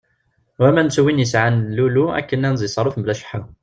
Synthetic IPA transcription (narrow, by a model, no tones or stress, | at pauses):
wæmænt͡sːwinjəsʕanlːuluæ̰kːənːænzˤisˤɑɾˤufmblæʃə̥ħa